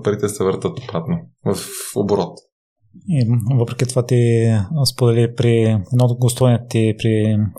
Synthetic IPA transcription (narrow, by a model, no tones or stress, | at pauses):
pɐɾit̪ɛsɛvəɾt̪ət̪obɾat̪novɐfo̰boɾɔt̪ | ivɤpɾɛkit̪ovat̪ispod̪ɛlipɾiɛd̪nɔd̪ɡost̪ɔvnɛtt̪ipɾi